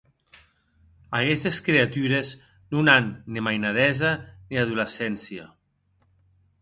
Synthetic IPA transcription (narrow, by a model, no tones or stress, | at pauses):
akɛst̪eskɾeat̪yɾez | nunanːimajnaðɛzaniaðulesɛnsia̰